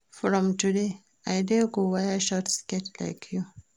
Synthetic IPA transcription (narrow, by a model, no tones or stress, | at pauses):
fɹɔ̃mtude | ajdɛɡowajaʃɔtskɛtla̰ɪkʰju